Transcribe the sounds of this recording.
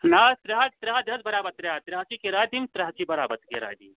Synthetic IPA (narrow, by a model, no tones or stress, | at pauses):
naːst̪ɾɐɦad͡ʒt̪ɾɐɦad̪ʱɐd͡zbɐɾaːbɐt̪ɾeɦat̪ɾɐɦt͡ʃikeɾaːd̪imt̪ɾɐɦɐkibɐɾaːbɐt̪keɾa̰ːd̪ḭ